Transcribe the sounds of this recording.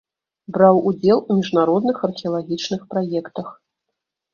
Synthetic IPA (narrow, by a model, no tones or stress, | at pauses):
bɾawud͡zʲɛlˠumʲiʐnaɾɔd̪nɨxɐrxʲɛɐlˠaɣʲit͡ʂnɨxpɾajɛkt̪ɐx